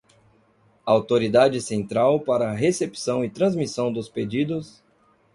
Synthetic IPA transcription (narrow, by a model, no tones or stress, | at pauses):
awt̪oɾid̪ad͡ʒɪsẽnt̪ɾawpaɾɐːɦesepi̥sɐ̃w̃ɪt̪ɾɐ̃zmisɐ̃w̃d̪ʊsped͡ʒid̪ʊs